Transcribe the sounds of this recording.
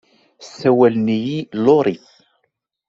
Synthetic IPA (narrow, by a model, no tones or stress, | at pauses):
sːæwælnijiloɾˤiθ